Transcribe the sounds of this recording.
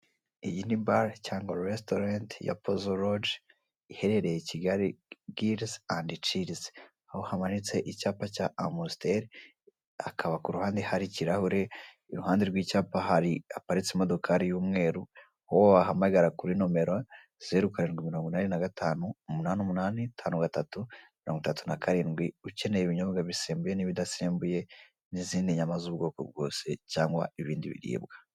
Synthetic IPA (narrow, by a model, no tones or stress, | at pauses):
ijinibaɾcaːŋɡaɾestoɾantja̰pʰozoɾod͡ʒ | ihe̞ɾe̞ɾe̞jeciɡaɾiɡiɾsandit͡ʃiɾz | ahohamanit͡se̞ʔicaːpacaamusteɾ | akʰaβakuɾuhaːndehaɾiciɾahuɾe̞ | iɾuhaːndeɾɡwiːcaːpaɦaɾiapaɾit͡semo̞do̞kʰaɾijuːmŋe̞ːɾu | hoβaɦamaɡaɾakuɾino̞me̞ɾa | zeɾukaɾenɡimiɾoːŋɡunanenaɡatʰaːnuumunaːnumunaːnitʰaːnuɡatatumiɾo̞ːŋɡutatunakaɾiːnɡwiuce̞ne̞jeβiɲoβɡaβiseːmbuje̞niβidaseːmbuje̞ | niziːneɲamazuβɡo̞ːko̰b̚ɡo̞̰ːse̞caːŋɡwa̰iβiːndḭβḭɾḭːbɡḁ